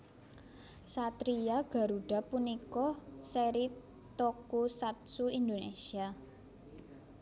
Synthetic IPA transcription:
sat̪ɾijaɡ̥a̤ɾuɖ̥a̤punikɔseɾi | t̪ɔkusat̪̚suind̪onesia

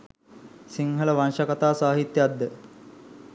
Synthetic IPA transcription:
siŋɦələʋanʃəkat̪aːsaːɦit̪ːjad̪ːə

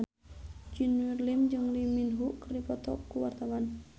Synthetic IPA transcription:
d͡ʒinwirlimd͡ʒɨŋliminɦuʔkərdipɔt̪ɔ̰kuwart̪awan

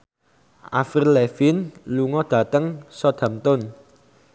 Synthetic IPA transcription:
ʔa̰filɛfɪnluŋɔd̪̥a̤t̪əŋsɔd̪̥ä̤mt̪ʊn

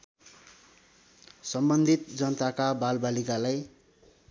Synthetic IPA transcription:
sʌmbʌnd̪ʱit̪̚d͡zʌnʌt̪akabalbalikalaj

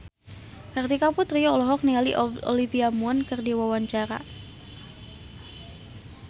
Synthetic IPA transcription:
kərt̪ikaput̪ɾiɔlɔɦɔk̚niŋaliʔɔɔ̰lifiamuɔnkɨrdiwawaɲt͡ʃaɾa̰

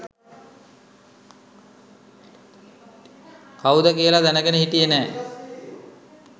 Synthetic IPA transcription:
kaud̪əkijəlad̪ænəɡenəɦiʈijənɛː

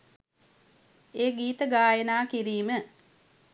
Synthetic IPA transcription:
eːɡiːt̪əɡaːjənaːkiɾiːmə

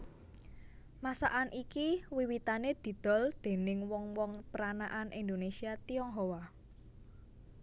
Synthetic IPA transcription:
masa̰ʔanʔikiwiwit̪aned̪̥i̤d̪̥ɔ̤ld̪̥e̤nɪŋwɔŋwɔŋpəɾanaʔanʔind̪onesiat̪iɔŋɦowa

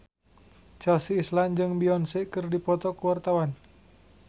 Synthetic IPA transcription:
t͡ʃɛlsiːsland͡ʒɨŋbiɔnsekɨrdipɔt̪ɔkuwart̪awan

